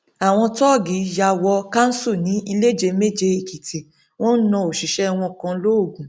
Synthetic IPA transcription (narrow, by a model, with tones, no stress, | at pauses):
a˨w̃ɔ̃˧tɔ˦˨ɡi˨˦ja˧˨wɔ˧ka˦n̩˦su˦˨nĩ˨˦i˧le˦d͡ʒe˧me˦d͡ʒe˧i˨ki˨tʰe˨ | w̃ɔ̃˦n̩˦nã˧o˨ʃi˨ʃɛ˦˧w̃ɔ̃˧kã˧lo˦o˦˨ɡũ˨